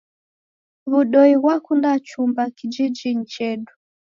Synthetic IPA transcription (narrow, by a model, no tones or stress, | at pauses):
βuɗɔiwakundat͡ʃumbakid͡ʒid͡ʒin̩t͡ʃɛɗu